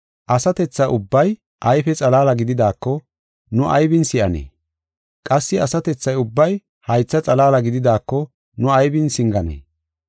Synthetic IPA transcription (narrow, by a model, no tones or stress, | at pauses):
ʔɐsɐt̪ɛt͡sːɐʔʊbːɐj | ʔɐjfɛt͡sʼɐlaːlɐɡɪd̪ɪd̪aːkːɔ | nʊʔɐ̰jbɪnsɪʔɐnḛː | kʼɐsːɪɐsɐt̪ɛt͡sːɐjʊbːɐj | hɐjt͡sːɐt͡sʼɐlaːlɐɡɪd̪ɪd̪aːkːɔ | nʊɐjbɪnsɪŋɡɐnḛː